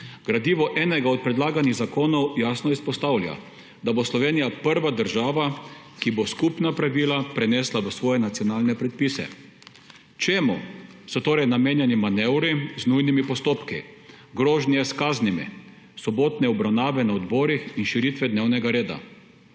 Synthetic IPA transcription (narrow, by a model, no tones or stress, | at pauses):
ɡ̥ɾad̪iːʋɔʔɛːnɛɡaɔt̪̚pɾɛd̪laːɡaniɣzakoːnɔwjaːsnɔispɔst̪awlja̰ | d̪aboslɔʋeːnijapəɾʋad̪əɾʒaːʋa | kiboskupnapɾaʋiːlapɾɛnɛːslaʋəsʋɔːjɛnat̪sijɔnaːlnɛpɾɛt̪̚pisɛ̰ | t͡ʃeːmusɔt̪oːɾɛjnameːnjɛnimanɛwɾiznujnimipɔst̪oːpkḭ | ɡɾoːʒniɛskaːznimḭ | sɔboːt̪nɛɔbɾawnaːʋɛnaɔd̪bɔːɾixinʃiɾit̪ʋɛd̪neːwnɛɡaɾeːd̪a̰